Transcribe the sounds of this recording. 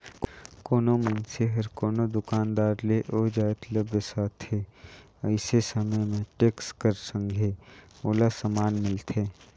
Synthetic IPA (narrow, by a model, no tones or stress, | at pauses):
kkoːnomɐnseɦɐɾkoːnod̪ʊkaːnd̪aːɾleʔoːd͡ʒaːt̪ləbəsaːt̪ʰːeː | əɪsesɐməjmẽʈeːkskəɾsə̃ŋɡʱe | oːlasɐmaːnmɪlt̪ʰeː